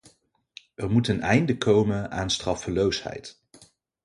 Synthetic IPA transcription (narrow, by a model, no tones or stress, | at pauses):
ɛrmutənɛjndəkʰowmənaːnstrɑfəlowshɛ̰jt